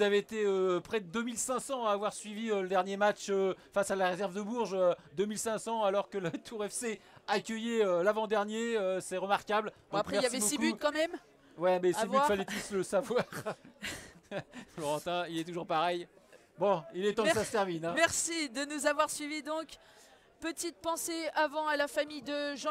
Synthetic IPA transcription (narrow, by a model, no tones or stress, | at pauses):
zavet̪eøpχɛd̪əd̪əmilsɛ̃sɑ̃aːvwaʁsɥiviøləd̪ɛʁnjemat͡ʃøfasalaʁezɛʁvd̪əbuʁʒød̪əmilsɛ̃sɑ̃alɔʁkələt̪ʰuʁɛfseakʲəjeølavɑ̃d̪ɛʁnjeøsɛʁəmaʁkabld̪̃akχɛmɛʁlsɛibosikbyut̪kɑ̃mɛm | wɛmɛsivafalɛt̪usləsavwaʁ | flɔʁɑ̃t̪ɛ̃ilɛt̪uʒuʁpaʁɛj | bɔ̃ilɛt̪ɑ̃ksasət̪ɛʁminɛ̃mɛʁsid̪ənuzavwaʁsɥivid̪ɔ̃k | pət̪it̪̚pɑ̃seavɑ̃alafamijd̪əʒ̃